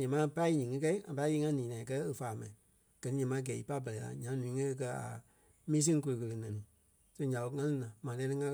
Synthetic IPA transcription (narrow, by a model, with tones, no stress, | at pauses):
ɲɛ̃˨mã˦pa˦i˧˦ɲĩː˨ŋɨ̃˦k̬ɛ˦i˦ŋã˨pa˧˦ji˧˦ŋã˦nĩː˨nã˨k̬ɜ˦e˧faː˨mã˨ĩ˨ | ɡ̥ɜ˨nĩ˦ɲɛ̃˨mã˨˧˦ɡɛː˨i˨pa˦bɜ˨lɛ˨la̰˨ɲã˨˦nũ˨ĩ˦ŋɛ̃˦e˧kɜ˧a̰˨ | mĩː˦s̬ĩ˦ŋ˦k̬o˧lo˧kə˧lə˧nɛ̃˨nĩ˨ | so˧˦ɲã˨ɓo˧˦ŋã˦lĩ˦nã˨mã˨lɛ̃˧˦nĩ˦ŋã˦